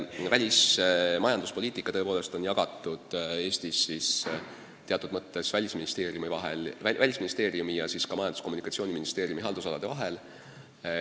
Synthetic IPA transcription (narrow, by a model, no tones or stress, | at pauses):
vælʲismɑjɑnd̪uspo̞lʲiːt̪ˑikːˑɑt̪ɤ̞epo̞ːle̞st̪o̞njɑɡ̥ɑt̪ːˑud̪̥e̞ːst̪isːis | t̪eɑt̪ːˑud̪̥mɤt̪ːe̞svælʲisminist̪e̞ːɾiumivɑɦḛlvælʲisminist̪eːɾiumijɑsiːskɑmɑjɑnd̪usko̞munikˑɑt̪sio̞ːniminist̪e̞ːɾiumiɦɑld̪usɑlɑd̪̥e̞vɑɦe̞l